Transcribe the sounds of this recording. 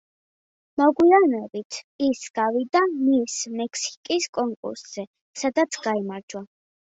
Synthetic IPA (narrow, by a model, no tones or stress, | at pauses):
mɔɡwiaɾnɛbit̪ʰisɡ̥avid̪amismɛkʰsi̥kʼiskʼɔŋkʼṵɾsz̥ɛ | sad̪at̪sʰɡ̥aimaɾd͡ʒwa